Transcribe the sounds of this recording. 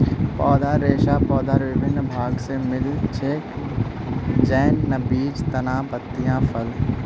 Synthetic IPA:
pɔːd̪aɾeːʃaːpɔːd̪aɾʋɪʋɪnːbʱaːɡsemɪlt͡ʃʰeːk | d͡ʒɛːnːɐbiːd͡ʒt̪ɐnaːbɐt̪ːijãːfʰɐl

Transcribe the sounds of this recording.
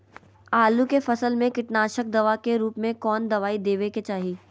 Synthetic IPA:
aːlukefɐsəlmẽkɪʈnaːʃək̚d̪ɐʋakeɾuːpmẽkɔːnd̪ɐʋaːid̪eːʋeket͡ʃaːɦiː

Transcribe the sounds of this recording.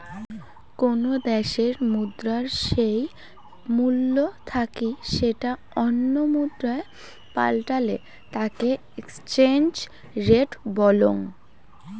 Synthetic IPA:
konod̪ɛʃeɾmud̪ɾaɾʃej | mulːot̪ʰakiʃeʈa | ɔnːomud̪ɾae | pa̰lʈalḛ | t̪ake | ekst͡ɕend͡ʑ | ɾeɖbɔloŋ

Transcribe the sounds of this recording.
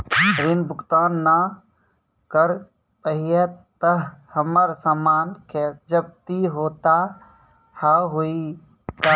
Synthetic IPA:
ɾinbʱʊkt̪aːnːa | kəɾ | pəɦiet̪t̪əɦhəməɾsaːmaːnkʰeːd͡ʒəb̚t̪iɦoːt̪a | haɦoi | t̪a

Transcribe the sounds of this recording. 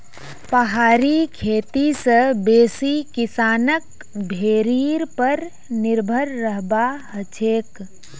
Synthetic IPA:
pəɦaːɾikʰeːt̪isəbeːsikɪsaːnək̚ | bʱeːɾiːɾpəɾ | nɪɾbʱəɾːəɦbahət͡ʃʰeːk

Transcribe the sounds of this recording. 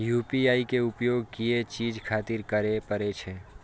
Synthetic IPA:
jupiaːikeʊpjoɡkiet͡ʃiːd͡ʒkʰat̪iɾkəɾepəɾet͡ʃʰe

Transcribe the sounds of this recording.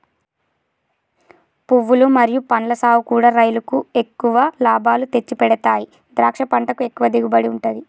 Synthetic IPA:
puʋːulumɐɾijupɐɳlɐsaːwukuːɽaːɾɐjlɐkue̞kːuʋɐlaːbʱaːlut̪e̞t͡ʃːipɛɽɐt̪aːji | d̪ɾaːkʂɐpɐɳʈɐkue̞kːuʋɐd̪iɡubɐɽiuɳʈɐd̪i

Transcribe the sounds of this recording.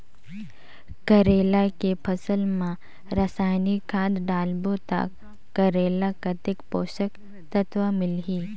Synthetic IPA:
kɐɾeːlakepʰɐsəlmã | ɾəsaːjnikʰãːd̪ɖaːlbot̪a̰kː | ɐɾeːlakat̪ɪkpoːʃək | t̪ɐt̪ʋəmɪlɦiː

